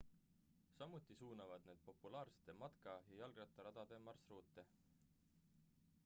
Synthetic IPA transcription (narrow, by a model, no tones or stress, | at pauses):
sɑmut̪ːˑisuːnɑvɑd̪̥̚ne̞ːd̪̥̚po̞pːulɑːrse̥t̪ːe̞mɑt̪kɑjɑjɑlɡ̥rɑt̪ːˑɑɾɑd̪̥ɑd̪̥e̞mɑrsruːt̪ːˑe̞